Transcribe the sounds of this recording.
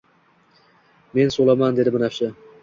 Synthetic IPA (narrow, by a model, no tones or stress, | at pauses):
me̞nsolˠamand̪e̞d̪ɪbɪnafʃɪ